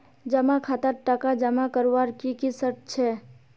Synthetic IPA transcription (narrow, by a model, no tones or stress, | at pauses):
d͡ʒəmakʰat̪əɾʈəkad͡ʒəmakəɾʋaɾkikisəʈ̚t͡ʃʰɛ